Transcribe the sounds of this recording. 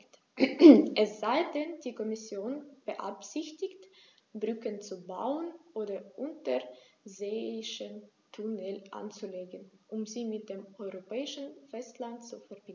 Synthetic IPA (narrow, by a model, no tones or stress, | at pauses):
t | ʔɛsz̥aɪdɛndiːkɔmɪsjoːnb̥əʔa̰pz̥ɪçtɪçt | bʁʏkənt͡suba̰ʊənʔoːdɐʔʊntəzeːɪʃəntʰunɛlʔa̰nt͡suleːɡənʔʊmziːmɪt̚d̥eːmʔɔʏʁopɛːɪʃn̩fɛstlantt͡sufɛɐb̥ɪn